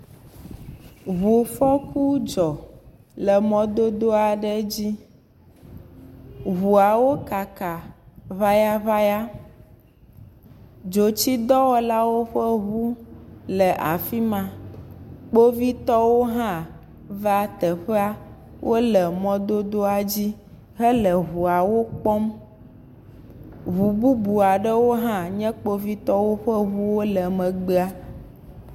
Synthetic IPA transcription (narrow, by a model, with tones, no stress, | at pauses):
βu˨fɔ˦ku˦d͡ʒɔ˨ | lɛ˨mɔ̃˦d̪o˦d̪o˦a˨ɖɛ˦d͡ʑi˦ | ɦu˨a˨wo˦ka˨ka˨βa˦ja˦βa˦ja˦ | d͡ʒo˨t͡ɕi˦d̪ɔ˦wɔ˦la˦wo˦ɸɛ˦βu˦lɛ˨ʔa˨fi˦mã˨ | k͡po˦vi˦t̪ɔ˦wo˦ɦã˦ | va˦t̪ɛ˨ɸe˦a˦ | wʔo˦lɛ˨mɔ̃˦d̪o˦d̪o˦a˨d͡ʑi˦ | ɦə˦lə˨ɦu˨a˨wo˦k͡pɔ˦m | ɦu˨bu˦bu˨a˨ɖə˦wo˦ɦã˦ɲɛ̃˦k͡po˦vi˦t̪ɔ˦wo˦ɸə˦ɦu˦wo˦lɛ˨mɛ̃˨ɡ͡be˦a˦